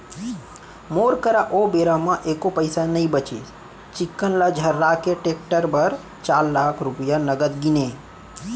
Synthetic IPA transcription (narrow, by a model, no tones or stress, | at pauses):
moɾkəɾaʔobeɾamãʔekopəjsanəĩbət͡ʃḛ | t͡ʃikːənlad͡ʒʱəɾːakeʈek̚ʈəɾbəɾ | t͡ʃaːɾlakʰɾupjanəɡəd̪ɡine